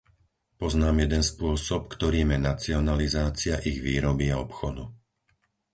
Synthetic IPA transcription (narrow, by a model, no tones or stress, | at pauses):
pɔznaːmjɛd̪ɛnspʊɔsɔpkt̪ɔɾiːmjɛnat͡siɔnalizaːt͡siaʔiɣʋiːɾɔbiaɔpxɔd̪u